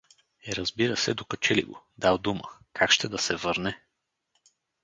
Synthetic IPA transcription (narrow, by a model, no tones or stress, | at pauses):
ɛɾɐzbiɾəsɛd̪okɐt͡ʃɛlḭɡo | d̪alˠd̪umə̰kʰakʃt̪ɛd̪ɐsɛvɤɾnɛ